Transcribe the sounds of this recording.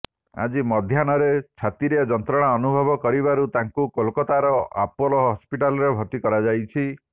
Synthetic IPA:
a̰d͡ʒimɔd̪ʱjanɔɾet͡ʃʰat̪iɾiɔd͡ʒɔnt̪ɾɔɽ̃aɔnubʱɔbɔkɔɾiβaɾut̪aŋkukɔlkɔt̪aɾɔa̰pɔlɔɦɔspiʈalɔɾebʱɔt̪ikɔɾad͡ʒajt͡ʃʰi

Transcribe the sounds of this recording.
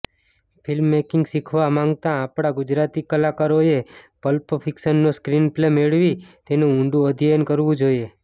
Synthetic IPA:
pʰɪlmːekɪŋɡsikʰʋamãŋɡt̪ãːpɽ̃aɡʊd͡ʒɾat̪ikəlakaɾoepəlpfʰɪkʃənːoskɾinplemeɭʋit̪enũuɳɖũəd̪ʱijənkəɾʋũd͡ʒoie

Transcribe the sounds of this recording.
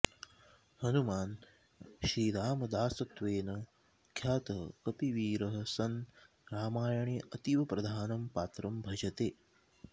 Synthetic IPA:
hɐnumaːn | ʃiːɾaːmɐd̪aːsɐt̪ʋeːnɐ | kʰjaːt̪ɐɦkɐpiʋiːɾɐɦɐsɐn | ɾaːmaːjɐɳeɐt̪iʋɐpɾɐd̪ʱaːnɐmpaːt̪ɾɐmbʱɐd͡ʒɐt̪eː

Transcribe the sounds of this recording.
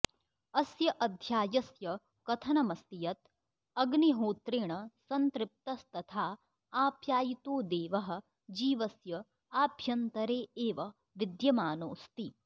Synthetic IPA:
ɐsjɐʔɐd̪ʱjaːjɐsjɐ | kɐt̪ʰɐnɐmɐst̪ijɐt̪̚ | ɐɡniɦoːt̪ɾeːɳɐsɐnt̪ɾɪp̚t̪ɐst̪ɐt̪ʰaː | aːpjaːjit̪oːd̪eːʋɐɦɐ̆ | d͡ʒiːʋɐsjɐ | aːbʱjɐnt̪ɐɾeːeːʋɐ | ʋid̪jɐmaːnoːst̪i

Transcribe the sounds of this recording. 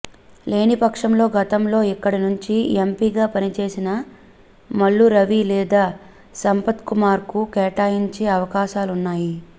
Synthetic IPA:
le̞ːnipɐkʂɐmlo̞ːɡɐt̪ɐmlo̞ːikːɐɽinuɲt͡ʃiempiɡaːpɐnit͡ʃe̞ːsinɐ | mɐɭːuɾɐʋilɛːd̪aː | sɐmpɐt̪kumaːɾkukɛːʈaːjiɲt͡ʃe̞ːɐʋɐkaːʃaːlunːaːji

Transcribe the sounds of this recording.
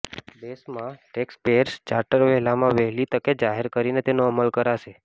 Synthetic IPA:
b̪esmãʈekspeɾst͡ʃaɾʈəɾʋɛɦlamãʋɛɦlit̪əked͡ʒaɦeɾkəɾinet̪enoəməlkəɾaʃe

